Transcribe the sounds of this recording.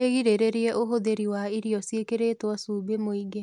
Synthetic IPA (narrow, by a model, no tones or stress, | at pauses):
eɣiɾeɾeɾiɛʔoɦoðeɾiwaiɾiɔsiekeɾetwɔsuːbemoiɡe